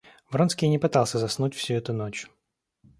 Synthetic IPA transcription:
vɾonskʲijnʲɪpɨt̪alˠsʲəzɐsnutʲfsʲuɛt̪ʊnot͡ɕ

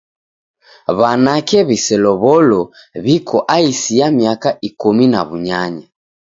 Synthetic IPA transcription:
βanakɛβisɛlɔβɔlɔ | βikʰɔʔaisiamiakaʔikumina̰βuɲaɲa

